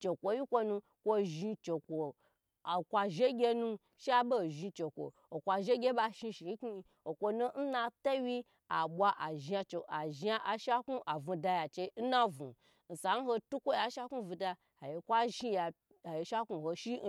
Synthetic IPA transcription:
t͡ʃe˨kʷo˧ji˦kʷo˧nũ˧ | kʷo˧ʒi˧t͡ʃe˨kʷo˨ | a˨kʷa˧ʒe˦ɡʲe˧nũ˧ | ʃi˦a˦bo˦˨ʒi˧t͡ʃe˨kʷo̰˨ | o˨kʷa˧ʒe˦ɡʲe˦ɓa˧ʃi˧ʃi˨˦ki˦˧ | o˨kʷo˧no˦n̩˦na˧to˦wi˦ | a˨ɓʷa˧ʔa˨ʒa˧t͡ʃe˨a˨ʒa˧ʔa˨ʃa˦ku˦ʔa˨vũ˧da˧ja˨t͡ʃe˧˦n̩˦na˦vṵ̃˨ | n̩˨sa˨n̩˦ho˧tu˦kʷo˦ja˨˦ʃa˦ku˦˨vu˧da˧ | a˨je˧kʷa˦ʒi˦ja˨ | a˨je˧ʃa˦ku˧ho˧ʃi˦

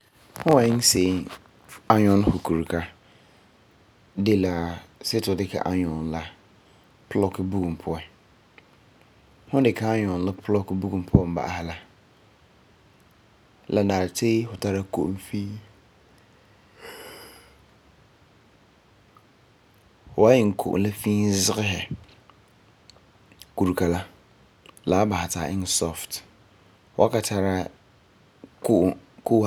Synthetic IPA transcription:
hʊ̃˦wɛ̃˨˦n̩˦se˨˦ | a˦ɲᶣɔ̃˦n˦ho˨kʰu˨ɾkʰa˦ | dɪ˦la˨sɪ˦tʰʊ˨dɪ˦kʰa̰˨ʔa˨ɲɔ̃˨n˦la˦ | pʰʊ˦lɔ˦kʊ˦bu˦ɡũ˨m˨pʰʊ˦ɛ˨ | hʊ̃˦dɪ˨kʰa˨a˦ɲ˨ɔ̃˨n˨lʊ˦pʰlɔ˦kʊ˦bu˦ɡũ˨m˨pʰʊ˦ɛ˨m̩˨ba̰˨a˨ha˨la˦ | la˨nãː˨ɾtʰe˦hʊ˨tʰa˦ɾa˦kʰo̰˨m̩˦fĩ˦ | hɔ˨˦a˦jɪ˨ŋ̩˨kʰo̰˨ʔla˦fĩː˦n˦zɪ˦ɣɪ˦ɦɛ˨ | ku˨ɾu˨kʰa˨la˦ | la˨˦ba˨ha˨tʰa̰ː˨ʔɪ˦n˨sɔ˦ft | ɔ˦a˦ka˨tʰa˨ɾa˦ | kʰkʰo˦

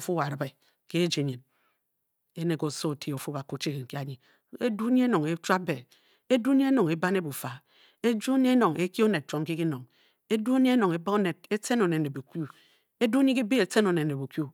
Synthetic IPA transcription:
o˨fu˦a˨ɾɨ˨˦be˨ | ke˦e˦d͡ʒe˨ɲe˨n | e˦ne˨ko˨so˦˨tʰi˦˨o˨fu˦ba˨ko˨t͡ʃi˦ke˨ŋ̩˨ki˦a˨ɲi˨ | e˦du˦ɲe˦e˦no˨ŋe˦t͡ʃʷa˦be˨ | e˦du˦ɲe˦e˦no˨ŋe˨ba˦ne˦bu˨fa˨ | e˦d͡ʒu˦ɲi˦e˦no˨ŋʔe˦ki˦o˦ne˨t̚t͡ʃmki˦ki˦no˨ŋ | e˦du˦o˦ɲi˦e˦no˨ŋe˨ba˦o˦ne˨d̚e˦te˦no˨ne˨ne˨bu˨kʷu˦ | e˦du˦ɲi˦ki˦bi˦e˨se˦no˨ne˨ne˨bu˨kju˦

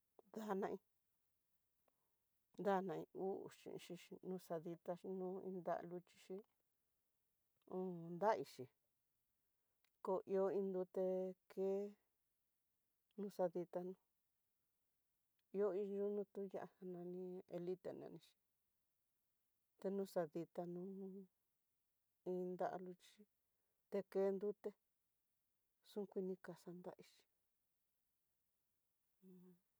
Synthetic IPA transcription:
d̪a˦nã˧ʔĩ˧ | nd̪a˦nã˧ḭ̃˧u˦ʔṵ˨ʃḭ̃˧ʔʃi˧i˧nũ˧sa˧ði˧t̪a˧ʃi˧nũ˦ḭ̃˧nd̪a̰˦˧lu˧t͡ʃi̥˧ʃi˦ | õ˧˦nd̪a˦˧i˧ʃi˨ | ko˧ʔi˧o˧˦ĩ˧nd̪u˧t̪e˧kʰe˦ | nũ˧˦sa˧ði˧t̪a˧nũ˧ | i˧o˦i˧ʒu˦nũ˧t̪u˦ja̰˧a˧ha˧nã˧nĩ˧e˧li˦t̪ḛ˧nã̰˨˧nĩ˧t͡ʃi̥˧ | t̪e˧nũ˦sa˧ði˧t̪a˧nũ˧˦ | ĩ˧nd̪a̰˦ʔa̰˧lu˧t͡ʃi˦ | t̪e˧ke˧˦nd̪u˦t̪e˧ | sũ˦kʷi˧nĩ˧ka˨sa˧nd̪a̰˧ʔi˧t͡ʃi̥˧˨˧

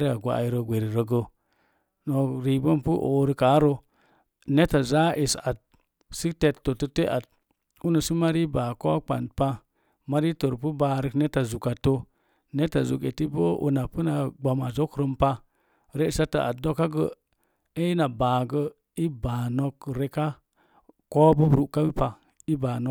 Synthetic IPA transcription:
ɾi˦a˨ɡʷa̰˨a̰˨i˨˦ɾə˨ɡʷe˨ɾi˨ɾə˨ɡə˦ | no˨ɾi˨bo˦mpu˦ʔo̰˨˦ɾi˦ka˨˦ɾo˦ | ne˦ta˨za˦ʔi˨sa˨t̚ | si˦te˨tːo˨tə˦te˦ʔa˨t̚ | u˦nə˨si˦ma˦ɾi˦ba˨ko˦k͡pa̰˨n̚pa˦ | ma˦ɾi˦tə˨ɾpu˦ba˨ɾə˦kne˦ta˨zu˨ka˨to˦ | ne˦ta˨zu˨kḛ˨ti˦bo˦ṵ˨na˨pə˦na˨ɡ͡ba˨ma˨zo˦kɾə˦mpa˦ | ɾe˦i˨sa˦ta̰˨ʔa̰˨t̚do˦kːa˦ɡə˦ | e˦i˦na˨ba˨ɡə˦ | i˦ba˨no˦kɾe˦ka˦ | ko˦bə˦bɾu˦˨ʔka˦bi˦pa˨ | i˦ba˨no˦

